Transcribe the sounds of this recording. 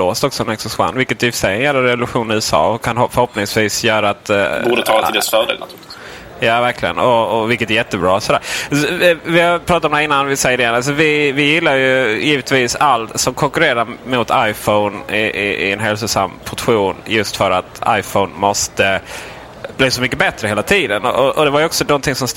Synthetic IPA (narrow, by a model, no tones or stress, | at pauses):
loːst̪ɔksɔɛnɛksʊsɧwa̰nːvɪlkːət̪æjʏfə̥ʂɛjɛnjɛːlːaɾɛvʊlʉɧuːnɪʉ̟ːsɑ̰ːɔkʰanɔfœɾhɔpnɪŋsviːsjœːɾaːt̪bːɖət̪ʰɑːlat̪ɪlɛsfœːɖḛla̰t̪ʰʉ̥ɾ | jɑːvæɾkʰlɪɡə̰nɔɔvɪlkːət̪æɾjɛt̪ːəbɾɑ̰ːsɔd̪æ̰ːɾ | vɪhapʰɾɑːt̪at̪ɔmnd̪ɛɪnːanvɪsɛjəɾɛjɛnals̬ɔvɪvɪjɪlːajɵjiːvət̪viːsalt̪sɔmkʰɔŋkɵɾeːɾamʊt̪ʰajfɔʊnɪɪɪ̰ɛnɦɛls̬ʊsa̰mːpʰɔʈɧuːnjɵst̪fœɾat̪a̰jfəʊnmɔst̪ə | bliːsɔmʏkːəbɛt̪ɾəheːlat̪ʰiːd̪ənɔ̰ʔɔʔɔd̪ɛvaɾjɔksɔnɔnt̪ʰɪŋsɔms